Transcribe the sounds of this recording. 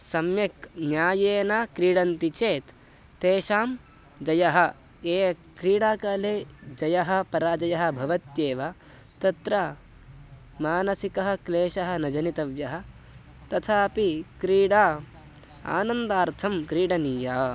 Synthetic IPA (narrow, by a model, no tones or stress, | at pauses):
sɐmjɐknjaːjeːnaːkɾiːɽɐnt̪it͡ʃeːt̪ː | eːʃaːm | d͡ʒɐjɐɦɐ̆ | eːkɾiːɽaːkaːleːd͡ʒɐjɐɦɐ̆pɐɾaːd͡ʒɐjɐɦɐ̆bʱɐʋɐt̪jeːʋa | t̪ɐt̪ɾɐ | maːnɐsikɐɦɐ̆kleːʃɐɦɐ̆nɐd͡ʒɐnit̪ɐʋjɐɦɐ̆ | t̪ɐt̪ʰaːpikɾiːɽaː | a̰ːnɐnd̪aːɾt̪ʰɐmkɾiːɽɐniːjaː